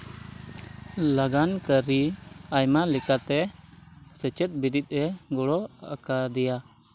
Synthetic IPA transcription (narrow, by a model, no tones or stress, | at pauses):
laɡankəɾiajmalɛkat̪ɛ | sɛt͡ʃɛt̪̚biɾit̪̚ˀɛɡɔɽɔakad̪ɛja